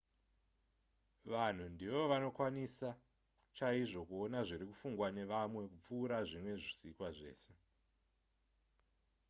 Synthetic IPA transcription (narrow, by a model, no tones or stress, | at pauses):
ʋan̤undiʋo̞ʋano̞kwanisa | t͡ʃaiʐo̞kuo̞naʐiɾikufuŋɡwane̞ʋamwe̞kup͡fuːɾaʐimwe̞ʐisikwaʐe̞̰ːse̞